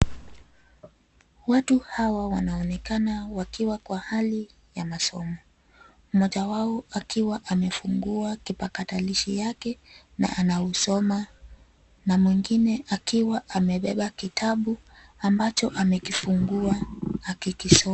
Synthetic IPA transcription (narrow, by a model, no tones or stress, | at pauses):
watuhawawanaɔnɛkanawakiwakwahali | jamasɔmɔ | mɔʄawaɔakiwaʔamɛfuŋɡuakipakataliʃijakɛ | na̰ʔanausɔma | namwiŋɡinɛʔakiwaʔamɛɓɛɓakitʰaɓuambat͡ʃɔʔamɛkifuŋɡuaːkikisɔ